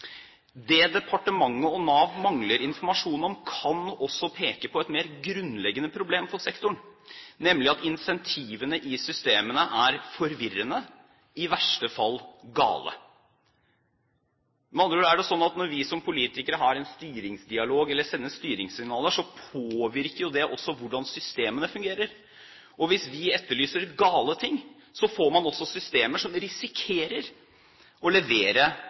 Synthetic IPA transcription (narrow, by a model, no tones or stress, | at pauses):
d̪ɛd̪ɛpʰɑʈəmɑŋːəɔnɑːʋmɑŋləɾɪnfɔɾmɑʂuːnɔmkʰɑnɔsːɔpʰeːkəpʰɔɛt̪meːɾɡɾʉnlɛɡːənəpʰɾʊbleːmfɔsɛkt̪ʊɳnɛmlɪɑt̪ɪnsɛnt̪ʰiːʋənəʔɪsʏst̪eːmənəʔæɾfɔɾʋɪɾənə | ɪʋæʂʈəfɑlːɡɑ̰ːlə̰ | mɑnd̪ɾʉːæɖɛsɔnːɑt̪nɔɾʋɪsɔmpʰʊliːt̪ɪkəɾəɦɑɾɛnst̪yːɾɪŋsd̪ɪɑloːɡɛlːəsɛnːəst̪yːɾɪŋssɪŋnɑːləʂɔpʰoːʋɪɾkəɾjʊd̪ɛʔɔsːɔʋʊɖɑnsʏst̪eːmənəfʉŋɡeːɾəɾ | ɔʋɪsʋɪɛt̪ːəɭyːsəɾɡɑːlət̪ʰɪŋː | sɔfoːɾmɑnɔsːɔsʏst̪eːməʂɔmɾɪsɪkʰeːɾəɾ | ɔlɛʋeːɾə